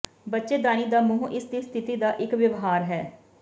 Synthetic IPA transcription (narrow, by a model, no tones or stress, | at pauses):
bətːʃeːd̪aːñiːd̪aːmʊɦũʔɪsd̪iːst̪ʰɪt̪iːd̪aːʔɪkʋjəʋɦaːɾɦɛː